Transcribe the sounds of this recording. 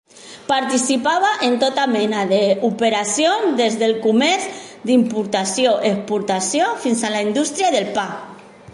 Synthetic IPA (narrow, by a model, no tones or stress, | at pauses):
paɾt̪isipaβaʔent̪ot̪amɛnaðeupeɾasjonzd̪ezðelkumɛɾzd̪impuɾt̪asjoʔepuɾt̪asjofinsalaind̪ust̪ɾjaðelpa